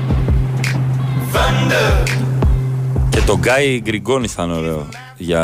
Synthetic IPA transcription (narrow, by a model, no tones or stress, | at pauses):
vɐnd̪ə | ce̞t̪o̞ɡɐjɡɾiɡo̞niθɐnoɾeo | ʝɐ